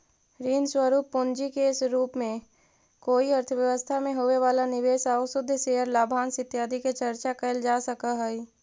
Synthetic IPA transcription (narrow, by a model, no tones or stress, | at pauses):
ɾiːnswəɾuːpːʊ̃nd͡ʒikeːsɾuːpmẽ | koːiəɾt̪ʰəʋjəʋəst̪ʰamẽɦoeʋaːlanɪʋeːsaːʊsʊd̪ʱːseːɦəɾlaːbʱaːnsɪt̪jaːd̪ʱiket͡ʃəɾt͡ʃakɐɪld͡ʒaːsəkaɦɛiː